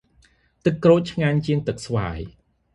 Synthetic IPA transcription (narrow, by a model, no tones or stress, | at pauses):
t̪ɨkːroːc̚t͡ɕʰŋaːɲt͡ɕiəŋt̪ɨk̚sʋa̰ːj